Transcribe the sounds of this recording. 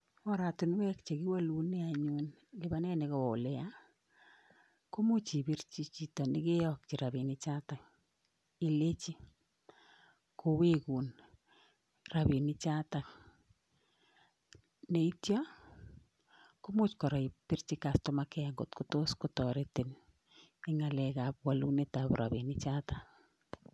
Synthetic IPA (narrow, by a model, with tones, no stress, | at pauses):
wɔ˦ɾa˨tu˨n˦wɛ˦kt͡ʃe˨ki˦wa˦lu˨nɪ˦aɲun | lɪ˦ba˦nɛ˦nɪ˨kɔ˨o˨lɛ˦ja˦ | ko˦mu˦t͡ʃi˨bi˦ɾt͡ʃi˦t͡ʃi˦tɔ˨nɪ˦kɪ˦jɔk̚t͡ʃi˨ɾa˨bi˨nɪ˦t͡ʃa˦ta˨ | i˨le˦t͡ʃi˦ | ko˨we˦ku˨n | ra˨bi˨ni˦t͡ʃa˦ta˨k | ne˨i˦tja˦ | ko˦mʊ˦t͡ʃkɔ˨ɾa˨i˨pi˦ɾt͡ʃi˦kastomakɛŋɡo˨tkuto˦skʊtɔɾete˨n | ɪ˦ŋa˨lɛka˨p̚wa˦lu˦ne˦ta˨pɾʔa̰βi˨ni˦t͡ʃata